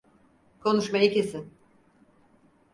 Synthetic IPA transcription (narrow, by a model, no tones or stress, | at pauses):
kʰo̞nuʃmajɯcesɪn